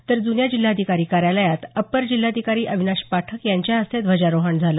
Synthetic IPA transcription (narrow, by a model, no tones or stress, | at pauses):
t̪əɾd̪unjad͡ʑil̤ːaəd̪ʱikaɾiːkaɾjaləjat̪əpːəɾd͡ʑilːad̪ʱikaɾiːʔəʋʱinaɕpaʈʰəkjaɲt͡ɕjaəst̪ʰed̪ʱʋəd͡ʑaɾoɦəɳd͡zʱalə